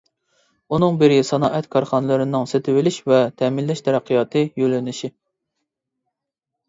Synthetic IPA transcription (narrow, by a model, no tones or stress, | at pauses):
unɨŋbɪɾʲisɑnɑːʔɛt̪kʰɑɾχɑnɨlˠɨɾɪnɨŋset̪ʰɪwɪlɪʃvɛt̪ʰɛmɪlːɛʃt̪ʰɛɾæqʰːijɑːt̪ʰɨjølːɪnɪʃi